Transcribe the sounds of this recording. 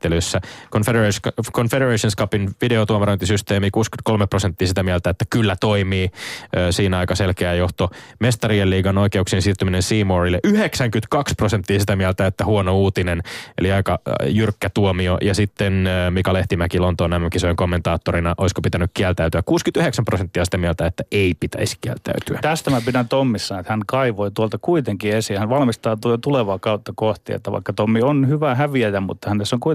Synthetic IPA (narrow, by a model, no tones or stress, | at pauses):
t̪ːelysːækonfeekonfeɾereʃonskɑpinʋideot̪uomeront̪isyst̪eːmikuːsky̥t̪ko̞lmeprosent̪ːiːsit̪æmiælt̪æet̪ːækylːæt̪oimiːøːsiːnɑikɑselkeæjoht̪omest̪ɑrielːiːɡɑnoikeuksiensiːrt̪yminensiːmorilːeʔyheksæŋkyt̪kɑksprosent̪ːiːsit̪æmiælt̪æet̪ːæhuonouːt̪inenḛliɑikɑjyrkːæt̪uomiojɑsit̪ːenːmikɑleht̪imækilont̪oːnæmːøŋkisojeŋkomːent̪ɑːt̪ːorinɑʔoiskopit̪ænykkiælt̪æyt̪yækkuːskyt̪yheksæmprosent̪ːiɑsi̥t̪æmiælt̪æet̪ːæeipit̪æ̰iskiæ̰lt̪æ̰yt̪yæt̪æst̪æmæpidænt̪omːisːɑet̪hænkɑiʋoit̪uolt̪ɑkuit̪eŋkiesihænʋɑlmist̪ɑːt̪ut̪uleʋɑːkɑut̪ːɑkoht̪ḭḛt̪ːæ̰ʋɑ̰ikːɑt̪omːionhyʋæhæʋiæjæmmṵt̪ːɑhænnesːoŋkui